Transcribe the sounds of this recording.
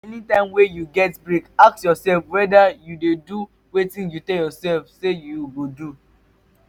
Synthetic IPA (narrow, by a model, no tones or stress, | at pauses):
ɛnitãɪ̃mwejuɡɛtbɹikaksjɔsɛlfwɛdajudedu | wetĩnjutɛjɔsɛlfsejuɡodu